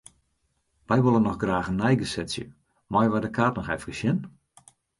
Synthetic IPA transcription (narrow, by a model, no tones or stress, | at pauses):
ʋɛjʋolˠənːɔxɡraːxənɛjɡəsɛtsjə̰ | mɔjʋadəkʰaːtnɔxɛfəkəsjɪn